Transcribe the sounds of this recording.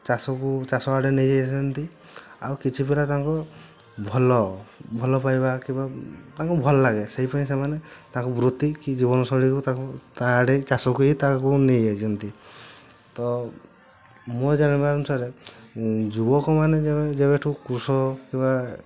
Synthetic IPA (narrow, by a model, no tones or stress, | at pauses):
t͡ʃasɔkut͡ʃasɔaɽenejd͡ʒat͡ʃɔnt̪i | a̰wkit͡ʃʰipelat̪ãŋkɔ | bʱɔlɔbʱɔlɔpajbakibat̪ãŋkubʱɔlɔlaɡeseɦipaĩs̬emanet̪ãkubɾut̪ːikid͡ʒibɔnɔsɔɽikut̪akut̪aɖet͡ʃasɔkuɦit̪ãkunejed͡ʒʰɔnt̪i | t̪ɔ | mɔd͡ʒanibaɾɔmsaɾe | d͡ʒubɔkɔmaned͡ʒebed͡ʒeβeʈʰukɾusɔkiba